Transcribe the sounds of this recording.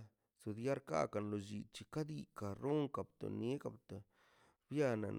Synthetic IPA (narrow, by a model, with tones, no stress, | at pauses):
su˨d̪ja˦ɾka̰˦ka˨nlo˨d͡ʒi˨t͡ʃi˧ka˦d̪i˧ka˨ɾo˦ŋka˨b̚t̪o̰˨ne˦ka˨bt̪a˨ | bja˦˧na̰˨n